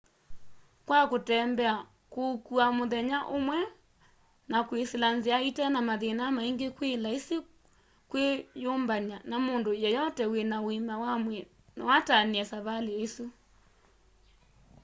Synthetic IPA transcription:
kwakotɛːmbɛa | kokuamoðɛɲaʔomwɛ | nakweselanzeaitɛnamaðenamaiŋɡekwelaese | kwejoːmbaɲanamondojɛjɔtɛwenaoimawamwɛ | nɔwataniɛsaβaleːsu

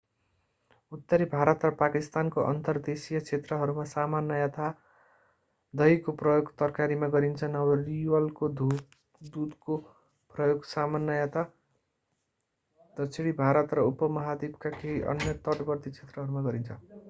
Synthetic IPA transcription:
ut̪ːʌɾibʱaɾʌt̪rʌpakist̪ankoʔʌ̰nt̪ʌrd̪esijʌt͡sʰet̪rʌɦʌɾumasamanːʌjat̪ʰa | d̪ʌjkoprʌjoɡt̪ʌrkaɾimaɡʌɾint͡sʰʌnʌbʌriwʌlkod̪ | d̪ud̪ko | prʌjoɡsamanːʌjat̪ʰa | d̪ʌt͡sʰeɽibʱaɾʌt̪rʌupʌmʌɦad̪ibkakeiʔʌ̰nːjʌt̪ʌʈbʌrt̪it͡sʰet̪rʌɦʌɾumaɡʌɾint͡sʰʌ

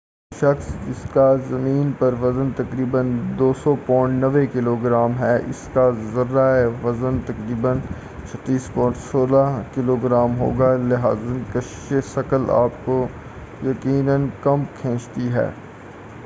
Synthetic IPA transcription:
ʃɐxsd͡ʒɪskazɐmĩːnpɐɾʋɐzənt̪ɐkɾiːbənd̪oːsɔpɔ̃ːɪ̃ɳʈnɐʋekɪloːɡɾaːmɦɛʔɪ̰skazɐɾːaʋɐzənt̪ɐkɾiːbən | t͡ʃʰɐt̪ːiːspɔ̃ːɪ̃ɳʈsoːlakɪloːɡɾaːmɦo̰ːɡalɪɦa̰ːznkɐʃʃeʃɐkəla̰ːpko | jɐkiːnənkɐmkʰẽːt͡ʃt̪iɦɛ̰ː

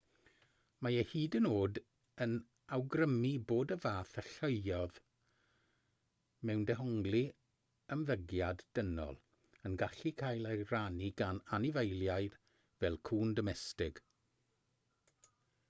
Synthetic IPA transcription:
majəhiːdənoːd | ən | awɡrəmiboːdəvaːθəɬəɨɔð | mɛwndɛɦɔŋɡlˠi | əmvəɡjadd̥ənɔ̰lˠ | ənɡaɬikʰajlˠeraniɡananɪvejlˠjaɨd̥ | vɛlˠkʰuːndɔmɛstɪɡ̥

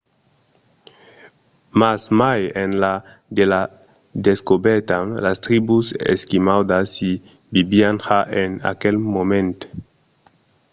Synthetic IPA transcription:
masmajenla | d̪ela | d̪eskobɛɾt̪anlast̪ɾibusḛskimawd̪asi | bibianxaʔena̰kelmomẽnt̪

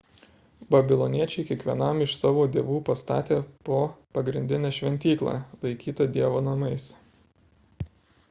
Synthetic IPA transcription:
bɐbʲɪlˠɔnʲiɛt͡ʃʲɛɪkʲiɛkʋʲiɛnɐmɪʃsɑːʋoːd̪ʲeːʋuːpɐst̪ɑ̰ːt̪ʲeːpoːpɐɡɾʲɪnʲd̪ʲɪnʲɛʃʲʋʲɛnʲt̪ʲiːklˠɑ̰ːlˠɐɪkʲiːt̪ɐd̪ʲiɛʋoːnɐmɐɪs

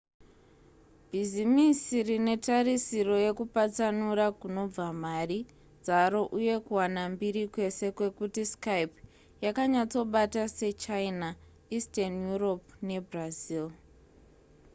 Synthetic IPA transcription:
bʱizimisirine̞tarisiro̞je̞kupat͡sanuɾakuno̞b͡vamari | d͡zaɾo̞ʔuje̞kuwanambiɾikwe̞se̞kwe̞kutiskajp | jakaɲat͡so̞ɓatase̞t͡ʃaina | istanjuro̞pne̞brazil

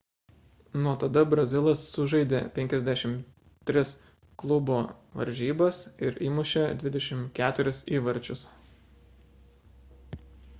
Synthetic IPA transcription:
nuɔt̪ɐd̪ɐbɾɐzʲɪlˠɐsːʊʒɐɪd̪ʲeːpʲɛŋʲkʲɛzʲd̪ʲæʃʲɪm | t̪ʲːɾʲɪs | klˠʊboʋɐ̰ɾʲʒʲiːbɐsɪɾiːmʊʃʲɛd̪ʲʋʲɪd̪ʲɛʃʲɪmkʲæːt̪ʊɾʲɪsiːʋɐɾʲt͡ʃʲʊs

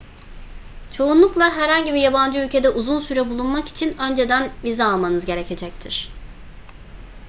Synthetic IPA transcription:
t͡ʃʰo̞unlˠuklˠaɦæɾhaɲɟibijaband͡ʒɯylʲcʰe̞d̪ɛʔuzunsyɾɛbulˠunmaki̥t͡ʃʰinø̞nd͡ʒe̞d̪ænvizaːlˠmanɯzɟe̞ɾecʰe̞d͡ʒɛc̚t̪ʰiɾ̥

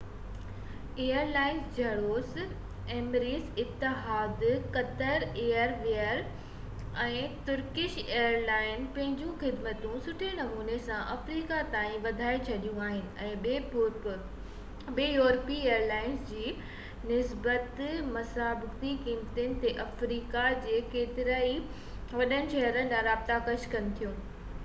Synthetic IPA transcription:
eːəɾlaːɪnzd͡ʑʱɐɽoːs | eːmɾiːzɪt̪ːɪɦaːd̪kɐt̪əɾeːəɾʋeəɾ | ɛ̃ːt̪ʊɾkɪʃeːəɾlaːɪnpɐ̃ɦɪ̃ɲd͡ʑũxɪd̪mət̪ũsʊʈʰenɐmuːnesãʔɐfɾiːkat̪aːĩʋɐd̪ʱaːet͡ɕʰɐɗijũaːɦɪnɪ̆ɛ̃ːeː | beːjoːɾpieːəɾlaːɪnsd͡ʑiː | nɪsbət̪mɐsaːbɪkt̪ikiːmt̪ʊnɪ̆t̪eʔɐfɾiːkad͡ʑeːkeːt̪ɪɾaːi | ʋɐɗənɪ̆ʃɐɦɾən̆lãɾaːb̚t̪akɐʃkɐnɪ̆t̪ʰijũː

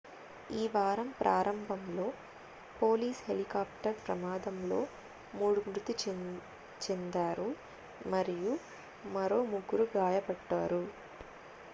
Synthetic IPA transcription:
iːʋaːɾɐmpɾʔaːɾɐmbʱɐmlo̞ː | po̞ːliːshelikaːp̚ʈɐɾpɾɐmaːd̪ɐmlo̞ː | muːɽumɾut̪it͡ʃ | t͡ʃend̪aːɾu | mɐɾiju | mɐɾo̞ːmuɡːuɾuɡaːjɐbɐɖːaːɾu

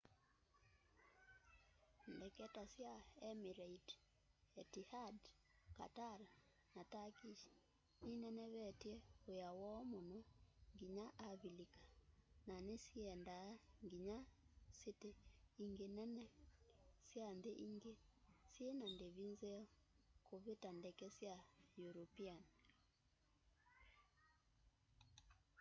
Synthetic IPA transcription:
ndɛkɛtasjaɛmiɾait | ɛtihad | ka̰taɾa | natakiʃi̥ | ninɛnɛβɛtjɛojawɔmonɔŋɡiɲaʔaβilikḁnanesiɛndaŋɡiɲaseteiŋɡenɛnɛ | sjandeʔiŋɡesjenandeβinzeɔkoβetandɛkɛsjajuɾopian

